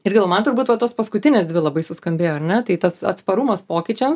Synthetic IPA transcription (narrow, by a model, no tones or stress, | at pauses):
ɪɾɡʲɪlˠːmɐnt̪ʊɾbuːt̪ʋɐt̪oːspɐskʊt̪ʲɪnʲeːsd̪ʲʋʲɪlˠɐbɐɪsʊskɐmʲbʲeːjoːɐɾnʲɛt̪ɐɪt̪ɐsɐ̰t̪spɐɾumɐspoːkʲɪt͡ʃʲɛms